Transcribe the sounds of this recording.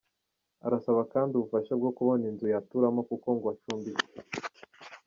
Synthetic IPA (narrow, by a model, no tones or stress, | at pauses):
aɾasaβakaːndiuβufaʃabɡo̞kuβo̞ninzujatuɾamokuko̞ŋɡwat͡ʃuːmbiz